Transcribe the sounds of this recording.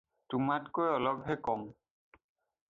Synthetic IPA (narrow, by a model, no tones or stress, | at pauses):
tumatkojɔlɔbʱɦɛkɔm